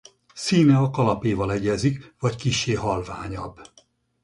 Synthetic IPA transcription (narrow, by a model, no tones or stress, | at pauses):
siːnɛɒkɒlɒpeːvɒlɛɟɛzikvɒckiʃːeːɦɒlva̰ːɲɒbː